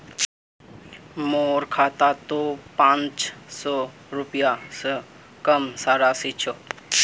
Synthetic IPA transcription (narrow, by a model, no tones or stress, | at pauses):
moːɾkʰaːt̪at̪opãːnt͡ʃsɔː | ɾʊpjasə | kəmsaːɾasit͡ʃʰo